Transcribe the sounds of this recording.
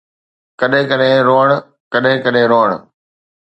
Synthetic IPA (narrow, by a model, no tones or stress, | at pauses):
kɐɗɦɪ̃kɐɗɦẽɾoːəɽ̃ | kɐɗɦɪ̃kɐɗɦẽɾoːəɽ̃